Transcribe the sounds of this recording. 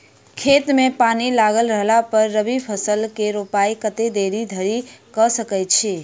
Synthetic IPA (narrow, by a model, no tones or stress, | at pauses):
kʰet̪mẽpanilaɡəlɾəɦlapəɾːəbipʰəsəlkeɾopaikət̪ed̪eɾid̪ʱəɾikəsəkəjt͡ʃʰe